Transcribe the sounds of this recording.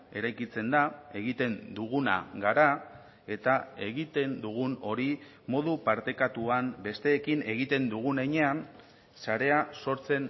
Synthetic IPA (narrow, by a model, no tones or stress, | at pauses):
e̞ɾajkit͡se̞nd̪ae̞ɣ̞it̪e̞nd̪uɣ̞una̰ɣaɾa | e̞t̪ae̞ɣit̪e̞nd̪uɣ̞uno̞ɾi | mo̞ðupaɾt̪e̞kat̪uambe̞st̪e̞ːkine̞ɣ̞it̪e̞nd̪uɣ̞uneɲe̞an | saɾe̞aso̞ɾt͡se̞n